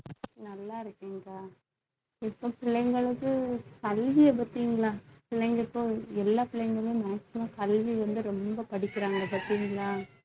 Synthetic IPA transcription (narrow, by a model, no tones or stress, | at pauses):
nɐlːaːɪɾɯkːiːŋɡaː | ɪpːoːpɪɭɐŋɡɐɭɯkːɯkɐlʋɪɐp̬ɐt̪ːiːŋɡɐɭaːpɪɭɐŋɡɐɪpːõːɛlːaːpɪɭɛŋɡɐɭẽːmaːsɪmaːkɐlʋiʋɐnd̪ɯɾɔmbɐpɐɽɪkːɪɾaːŋɡɐpɐɾt̪ːiːŋɡɐɭaː